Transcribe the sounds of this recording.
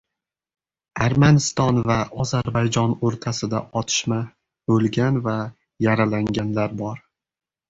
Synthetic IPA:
aɾmanɪst̪ɒnvaɒzaɾbajd͡ʒɒnoɾt̪ʰasɪd̪a̰ɒt̪ʰɪ̥ʃma | bolˠɡʲanva | jaɾalaŋɡʲanlaɾbɒɾ

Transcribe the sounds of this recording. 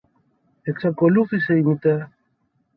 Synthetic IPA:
eksakoluθiseinit̪e

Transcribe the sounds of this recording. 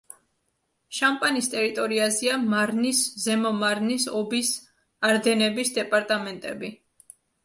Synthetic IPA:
ʃampʼanist̪ʼɛɾit̪ʼɔɾiaziamaɾniszɛmɔmaɾnisɔbis | aɾd̪ɛnɛbisd̪ɛpʼaɾt̪ʼamɛnt̪ʼɛbi

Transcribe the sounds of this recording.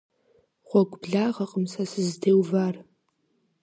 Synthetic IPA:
χʷɔɡʷbɮaːʁɐqʼəmsɐsɨzdeːwvaːr

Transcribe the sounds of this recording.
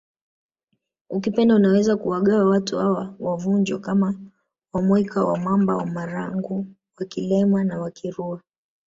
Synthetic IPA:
ukipɛndaunawɛzakuwaɠawawatuhawawavund͡ʒwɔkama | wamwɛkawa̰mambawamaɾaŋɡu | wakilɛmanawakʰiɾua

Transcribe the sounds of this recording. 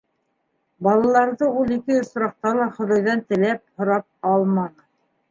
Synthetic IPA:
bɑlˠɑlˠɑɾðɤulˠikɘŏsɾɑq̚t̪ɑlˠɑχŏðɑjðɑnt̪ɘ̆læp̚hŏɾɑp̚ɑlˠmɑnɤ

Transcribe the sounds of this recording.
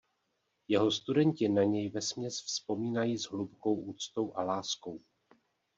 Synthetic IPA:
jɛɦost̪udɛɲcɪnaɲɛjvɛsmɲɛsfspo̞miːnajiːzɦlupko̞wʔuːt͡st̪o̞wʔalaːsko̞w

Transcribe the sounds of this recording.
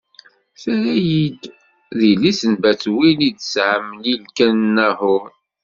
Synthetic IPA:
θæɾæjid̪ | ðilisənbæt͡swilid̪sʕəmːlilkænnːæhʊɾ

